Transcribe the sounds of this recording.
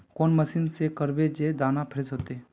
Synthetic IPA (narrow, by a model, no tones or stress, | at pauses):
koːnməsiːnsekəɾbed͡ʒed̪aːnapʰɪɾesɦoːt̪e